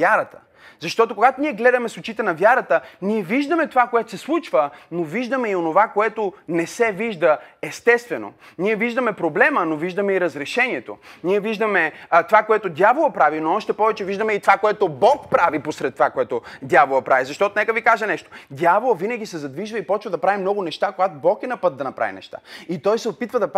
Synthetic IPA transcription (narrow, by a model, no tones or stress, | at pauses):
jaɾɐt̪ə̥ | zɐʃt̪ɔt̪okoɡat̪oniɛɡlɛd̪ɐmɛsot͡ʃit̪ɛnɐvjaɾət̪əniɛviʒd̪əmɛt̪ovakoɛt̪o̥sɛslˠut͡ʃvənoviʒd̪əmɛionovakoɛt̪onɛsɛviʒd̪əɛst̪ɛst̪vɛno̰niɛviʒd̪əmɛpɾoblɛmənoviʒd̪ɐmɛiɾɐzɾɛʃɛniɛt̪o̰niɛviʒd̪əmɛt̪ovakoɛt̪od̪ʲjavolˠɐpɾavinoɔʃt̪ɛpɔvɛt͡ʃɛviʒd̪əmɛit̪ovakoɛt̪obɔk̚pɾaviposɾɛt̪ːovakoɛt̪od̪ʲjavolˠɐpɾavizɐʃt̪ɔt̪onɛkəvikaʒɛnɛʃt̪o̥d̪ʲjavolˠəvinəɡʲisɛzɐd̪viʒvəipɔt͡ʃvɐd̪ɐpɾavimnɔɡʊnɛʃt̪akoɡat̪obɔkɛnɐpɤt̪̚d̪ɐnɐpɾa̰vʲḭnɛ̰ʃt̪a̰it̪ɔjsɛopit̪vɐd̪ɐp